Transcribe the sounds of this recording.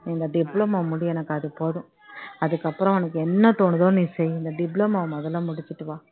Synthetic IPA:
ɪnd̪ɐɖɪblɐmɐmʊɽɪjɛnɐkːɐðɯpoːðʊ̃ | ɐðɯkːɐpːɯɾɔ̃ɛnɐkːɯɛnːɐt̪oːɳɯðõːniːsɛjɪnd̪ɐɖɪblɐmɐmɐðɐlãːmʊɽɪt͡ʃːɯʈːɯʋãː

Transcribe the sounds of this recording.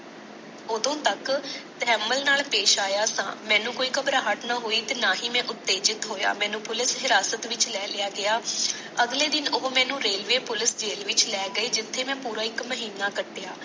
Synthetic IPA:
ʊd̪õːt̪əkt̪ɛːməlnaːlpeːʃaːjaːsã̰ːmɛ̃ːnũːkoːiːkəbɾaːɦəʈnãːɦoːiːt̪eːnaːɦiːmɛ̃ːʔʊt̪ːeːd͡ʒɪt̪ɦoːja̰ːmɛ̃ːnũːpʊlɪsɦɪɾaːsət̪ʋɪt͡ʃlɛːlɪjaːɡɪjaː | əɡleːd̪ɪnʊɦmɛ̃ːnũːɾeːlʋeːpʊlɪsd͡ʒeːlʋɪt͡ʃlɛːɡəiːd͡ʒɪt̪ʰːeːmɛ̃ːpuːɾaːɪkməɦiːnaːkəʈːɪjaː

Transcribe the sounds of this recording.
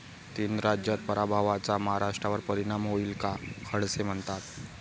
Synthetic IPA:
t̪iːnɾad͡ʑjat̪̚pəɾabʱaʋat͡saməɦaɾaʂʈɾaʋəɾpəɾiɽ̃amɦoiːlkakʰəɽsem̤əɳt̪at̪̚

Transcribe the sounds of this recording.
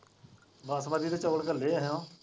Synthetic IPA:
baːsbaːd̪iːd̪eːt͡ʃɔːlkəleːɛɦjõː

